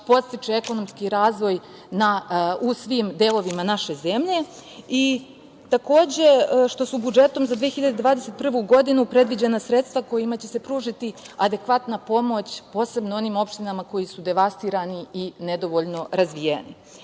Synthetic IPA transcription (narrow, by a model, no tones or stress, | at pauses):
po̞t̪st̪it͡ʃeeko̞no̞mskiɾaːzʋo̞j | nausʋiːmd̪e̞ːlˠo̞ʋimanaʃe̞ze̞mʎe̞i | t̪ako̞ːd͡ʑe̞ʃt̪o̞subud͡ʒe̞t̪o̞mzad̪ʋijexiʎad̪ed̪ʋaːd̪eset̪̚pr̩ʋuɡo̞d̪inupɾe̞d̪ʋid͡ʑenasɾe̞t̪st̪ʋako̞jimat͡ɕe̞se̞pɾuːʐit̪iad̪e̞kʋat̪napo̞mo̞t͡ɕpo̞ːse̞bnoo̞niːmo̞pʃt̪inamako̞jisud̪e̞ʋast̪iːɾaniined̪o̞ʋo̞ʎno̞ɾazʋijenḭ